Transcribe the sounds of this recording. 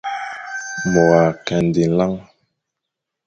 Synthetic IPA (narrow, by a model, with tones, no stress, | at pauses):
bɔ˨a˨kɛ˨n˨di˨˦la˦ŋ